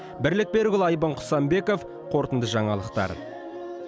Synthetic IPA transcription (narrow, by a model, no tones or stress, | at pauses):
bɪɾlɪk̚be̞ɾɡʲʏlˠɑjbəɴqʰʊ̥sɑmbe̞ko̞f | qʰo̞ɾt̪ənd̪əʒɑɴɑlˠəqt̪ɑ̰ɾə̰